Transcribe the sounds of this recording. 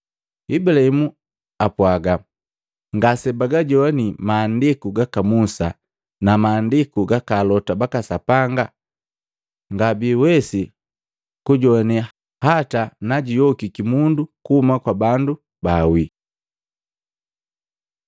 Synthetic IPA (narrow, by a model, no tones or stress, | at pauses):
ibulahimu | apwaɡa | ŋɡasɛbaɡaɟɔanimaːndikuɡakamusa | namaːndikuɡakalɔtabakasapaŋɡa | ŋɡabiwɛsi | kuɟɔani | hatanaɟijɔkikimundukuhumakwabandu | bawi